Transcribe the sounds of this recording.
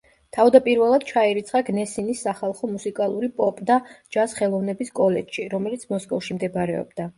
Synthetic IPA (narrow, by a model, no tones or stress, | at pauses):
t̪ʰavd̪apʼiɾvɛlˠad̪̥̚t͡ʃʰaiɾit̪sʰχaɡnɛsinisːaχalˠχɔmusikʼalˠuɾipʼɔpʼd̪ad͡ʒasχɛlˠɔvnɛbiskʼɔlɛt͡ʃʃiɾɔmɛlit̪sʰmɔskʼɔfʃimd̪ɛbɾɛɔ̰bd̪a